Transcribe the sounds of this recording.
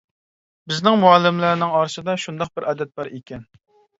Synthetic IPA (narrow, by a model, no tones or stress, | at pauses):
bɪznɪŋmuɑlˠːɪmlæɾnɪŋɑɾsɨd̪ɑʃund̪ɑq̚bɪɾʔɛd̪ɛt̪̚bɑɾekʲɛn